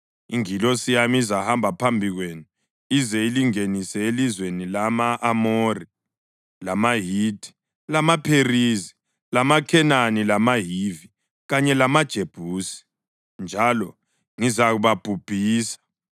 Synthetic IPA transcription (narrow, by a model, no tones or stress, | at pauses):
iŋilɔsijamiizahambʱapʰambʱiɣwenu | izɛiliŋenisɛelizwenilamaʔːmori | lamaɦiːd̥ʱi̥ | lamapʰerizi | lamakʰɛnanilamaɦivi | ɣaɲɛlamad̥ʒ̥ʱeb̥ʱuːsi̥ | nd͡ʒʱalɔ | ŋizaɣuβab̥ʱub̥ʱiːsḁ